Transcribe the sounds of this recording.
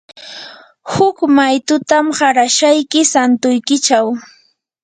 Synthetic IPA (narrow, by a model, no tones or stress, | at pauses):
hʊkmajt̪ʊt̪amɢaɾaʃajkɪsant̪ʊjkɪt͡ʃaw